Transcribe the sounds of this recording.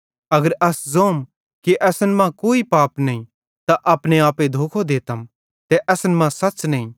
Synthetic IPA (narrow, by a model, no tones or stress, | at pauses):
ɐɡəɾɐszoːm | kiʔɛːsənmãkoːipaːpnɐĩ | t̪aʔɐːpñeaːped̪ʱoːkʰod̪eːt̪əm | t̪ɛʔɐsənmãsɐtːt͡ʃnɐĩ